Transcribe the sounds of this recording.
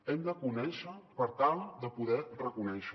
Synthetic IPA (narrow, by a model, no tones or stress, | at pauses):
ɛmd̪əkunɛʃəpəɾt̪alˠd̪əpuðɛrəkunɛʃə